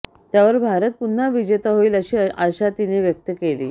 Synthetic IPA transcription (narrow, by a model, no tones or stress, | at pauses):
t̪jaʋəɾbʱaɾət̪̚pun̤ːaʋid͡ʑet̪aɦoiːləɕiːʔəɕat̪ineʋjək̚t̪əkelḭː